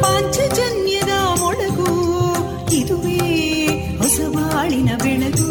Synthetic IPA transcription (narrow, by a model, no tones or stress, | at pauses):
paːɲt͡ʃɐd͡ʒɐnjɐd̪ɐmɔɭɐɡu | id̪uʋeː | hɔsɐʋaːɭinɐbɛɳɐd̪u